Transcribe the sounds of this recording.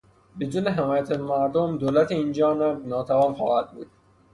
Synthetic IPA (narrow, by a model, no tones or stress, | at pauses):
bed̪uːneɦemɒːjæt̪ʰæzmæɾd̪omd̪oːlæt̪ʰeind͡ʒɒːnænɒːt̪ʰævɒːnxɒ̰ːhæd̪̚bṵːd̪̥̚